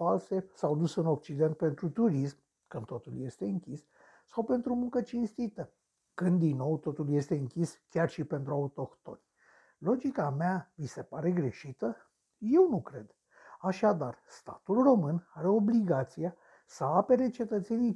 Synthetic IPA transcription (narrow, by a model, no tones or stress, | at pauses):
falsesawd̪usɨno̞k̚t͡ʃid̪e̞nt̪̚pe̞nt̪ɾut̪uɾism | kɨnt̪o̞t̪ṵlje̞st̪e̞ɨŋkʲisː | awpe̞nt̪ɾumuŋkət͡ʃinst̪it̪ə | kɨnd̪inːo̞wt̪o̞t̪ulje̞st̪e̞ɨŋkʲiskʲarʃipe̞nt̪ɾuaut̪o̞kt̪o̞̰nʲ | lo̞d͡ʒikameavise̞paɾe̞ɡɾe̞ʃit̪ə | je̞wnukɾe̞d̪̥ | aʃad̪arst̪a̰t̪ulro̞mɨnaɾe̞o̞bliɡat̪sija | səape̞ɾe̞t͡ʃe̞t̪ət̪se̞nij